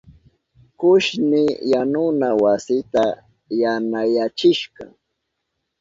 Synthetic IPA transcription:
kʊʃnɪjanʊnawasɪt̪a | janajat͡ʃɪʃkɑ̰

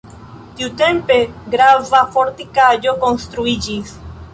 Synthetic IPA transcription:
t̪iut̪e̞mpe̞ɡɾavafoɾt̪ikad͡ʒo̞ko̞nst̪ɾuid͡ʒis

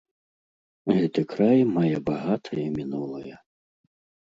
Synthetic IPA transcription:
ɣɛt̪ɨkɾajmajɛbaɣat̪ʰɐjɐimʲinulˠɐjɐ

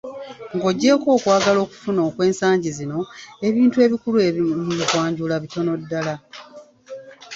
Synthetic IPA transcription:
ŋɡo̞ɟːe̞ko̞ːkwaːɡalo̞ːku̥funo̞ːkwe̞ːnsaːɲɟizino̞e̞βiːntue̞ːβikuluemuβikwaːɲɟulaβito̞no̞dːala

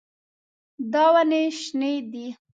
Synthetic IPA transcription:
d̪ɑwaneʃned̪i

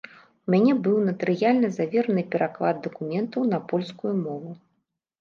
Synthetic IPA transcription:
umʲanʲɛbɨwnɐt̪ɨɾɨjalʲnɐzavʲɛɾɐnɨpʲɛɾʔaklˠad̪̚d̪ɐkumʲɛnt̪ɐwnɐpɔlʲskujumɔvu

